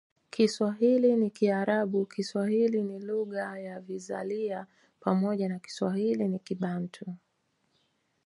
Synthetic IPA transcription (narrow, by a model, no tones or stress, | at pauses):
kiswaɦilinikiaɾaɓukiswahiliniluɣajaviza̰lia | pamɔʄanaki̥swahilinikiɓantʰu